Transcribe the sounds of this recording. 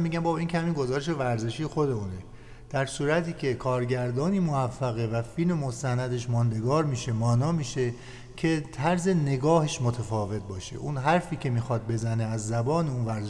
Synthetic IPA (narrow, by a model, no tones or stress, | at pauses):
mːiɟʲæmbɒːbiːncʰehæmiːnɡo̞zɒːɾeʃ̬e̞væɾze̞ʃiːjxo̞d̪e̞uːne | d̪̥æɾsuːɾæt̪ʰiːcʰe̞kʰɒːɾɟæɾd̪ɒːniːmoæfːæɣe̞væfilmemo̞st̪ænæd̪e̞ʃmɒːnd̪e̞ɡɒːɾmiːʃe̞mɒːnɒːmiːʃe̞ | cʰe̞t̪ʰæɾze̞ne̞ɡɒːheʃmot̪ʰæfɒːve̞t̪̚bɒːʃḛʔunɦæɾfiːcʰe̞miːxɒd̪̚be̞zæneæzːæbɒːneunvæɾze